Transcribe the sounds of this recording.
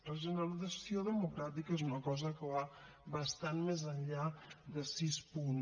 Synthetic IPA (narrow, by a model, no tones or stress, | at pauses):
ləʒənəliðəsioðəmukɾat̪ikəezunəkɔzəkəβa | βəst̪anmezəɲʎaðəsispun